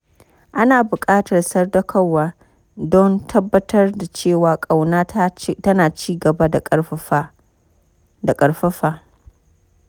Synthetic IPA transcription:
ʔa˦naː˨bʊ˨kʼaː˦tɐ˨rsɐ˦rdɐ˦kʰɐ˦wːaː˦ | dɔ˦ntʰɐ˦bːɐ˦tʰɐ˦rda˨t͡ʃeː˦˨waː˨kʼa˨wnaː˦tɐ˦naː˨t͡ʃiː˦ɡɐ˨ba˦da˨˦ | da˨kʼɐ˨ɽɸɐ˦ɸaː˨

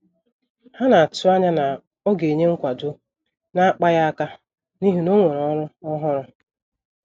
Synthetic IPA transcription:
ha˦na˨a˨tʊ˦a˦ɲa˦na˨ | o˦ɡe˨ɲe˦ŋ̩˦kʷa˨dʊ˦ | na˦a˦k͡pa˦ja˦a˦ka˦ | ni˦ɦi˦no˦ŋʷe˨ɾɔ˦ɾʊ˦ɔ˦ɦɔ˦ɾʊ˦

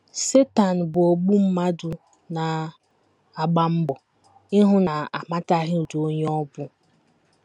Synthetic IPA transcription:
se˦ta˨n̩˨bʊ˨o˨ɡ͡bu˦m̩˦ma˦dʊ˨ | na˨ | a˨ɡ͡ba˦m̩˦bɔ˨ | ɪ˦ɦʊ˦na˨a˨ma˦ta˦ɦɪ˦u˨du˨o˦ɲ˦ɔ˦bʊ˦

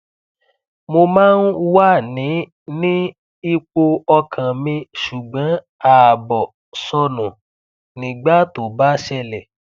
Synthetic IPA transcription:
mo˧mãː˦n̩˦wa˦˨nĩ˨˦ | nĩ˦ | i˦k͡po˧ɔ˧kʰã˨mĩ˧ʃu˨ɡ͡bã˨˦ | a˨bɔ˨ | sɔ˧nũ˨ | nĩ˨ɡ͡ba˦to˨ba˦ʃɛ˧˨lɛ˨

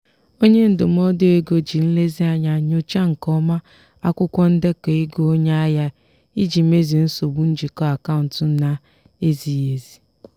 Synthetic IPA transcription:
o˦ɲe˦n̩˦dʊ˨m̩˦ɔ˦dɪ˦e˦ɡo˨d͡ʒi˨n̩˦le˦zi˦a˦ɲa˨ɲo˦t͡ʃa˦ŋ̩˨kɔ˦ma˦ | a˦kʷʊ˦kʷɔ˦n̩˦de˦ke˨i˦ɡo˦o˦ɲe˦a˦ja˦ | i˦d͡ʒi˨m˦e˦zi˨n̩˦so˨bu˨˦n̩˦d͡ʒi˨kɔ˦a˨ka˦ʊ˨n̩˨tʊ˨˦na˦ | e˦zi˨je˨zi˨

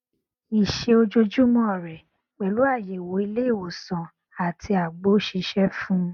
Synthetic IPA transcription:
i˨ʃe˧o˧d͡ʒo˧d͡ʒu˦mɔ̃˦ɔ˦˨ɾɛ˨ | k͡pɛ˨lu˨˦a˦˨je˨wo˨˦i˧le˦i˦˨wo˨sã˨ | a˨tʰi˧a˨ɡ͡bo˨˦ʃi˧˦ʃɛ˦fũ˦

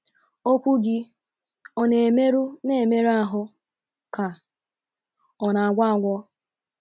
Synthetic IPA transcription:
o˦kʷu˦ɡɪ˦ | o˦ne˨me˦ɾu˦ne˨e˨me˦ɾa˦˨ɦʊ˦ | ka˨ | ɔ˨na˨a˨ɡʷa˦a˨ŋʷɔ˦

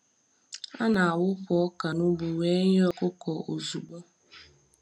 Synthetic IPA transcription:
a̰˦na˨a˨wʊ˦pɔ˨˦ɔ˦ka˨nu˦bu˨we˦ɲ˦ɔ˦kʊ˦kɔ˨o˨zu˨ɡ͡bo˦

